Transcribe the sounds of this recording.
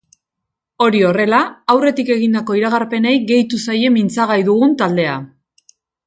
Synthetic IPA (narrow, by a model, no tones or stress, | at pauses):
o̞ɾio̞re̞laːwre̞t̪ike̞ɣind̪ako̞iɾaɣ̞aɾpe̞ne̞jɣe̞jt̪usaje̞mint͡saɣ̞ajðuɣunt̪ald̪e̞a